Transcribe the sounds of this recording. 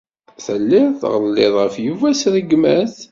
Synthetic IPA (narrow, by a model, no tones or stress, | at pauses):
θəlːɪɾθʁəlːɪðˤʁəfjuvæsɾəɡmæθ